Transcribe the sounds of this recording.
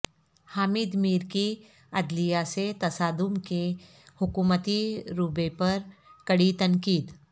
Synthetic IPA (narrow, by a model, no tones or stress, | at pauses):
haːmɪːd̪miːɾki | ɐd̪lijaset̪ɐsaːd̪ʊmke | hʊkuːmət̪iɾubepɐɾkɐɽit̪ɐ̃ŋkiːd̪